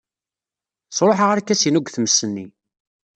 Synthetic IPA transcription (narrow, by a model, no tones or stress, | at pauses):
sˤɾˤoħəʁaɾækːæsinuɡʷθməsːənːi